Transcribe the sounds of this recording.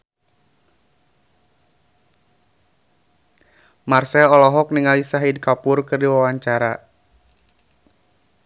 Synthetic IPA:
marsɛlɔlɔɦɔk̚niŋalisaɦidkapʊrkɨrdiwawaɲt͡ʃaɾa

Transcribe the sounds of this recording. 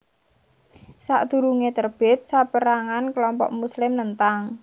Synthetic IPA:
saʔd̪̥ṳɾuŋet̪ərb̥ɪ̤t̪̚sapəɾaŋanklɔmpɔ̰ʔmuslɪmnənt̪aŋ

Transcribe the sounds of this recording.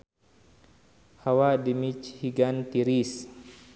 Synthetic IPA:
hawadimit͡ʃhiɡant̪iɾis

